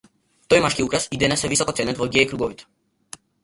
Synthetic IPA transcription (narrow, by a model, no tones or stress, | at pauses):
t̪ɔjmaʃkiukɾasid̪ɛnɛsɛvisɔkɔt̪sɛnɛt̪vɔɡʲɛikɾuɡɔvit̪ɛ̥